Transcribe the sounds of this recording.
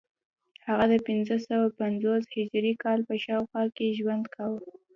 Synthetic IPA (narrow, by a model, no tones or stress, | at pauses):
haɣad̪əpɪnzəsawapanzoshɪd͡ʒɾikɑlpəʃɑwxwɑkeʒwand̪kawə